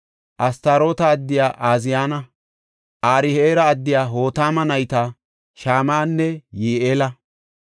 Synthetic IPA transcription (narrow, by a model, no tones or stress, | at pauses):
ʔɐst̪aːɾo̞ːt̪ɐːd̪ːɪjaːʔaːzɪjaːnɐ | ʔaːɾɪheːɾɐːd̪ːɪjaːɦo̞ːt̪aːmɐnɐjt̪ɐ | ʃaːmaːnːɛjeːʔeːlɐ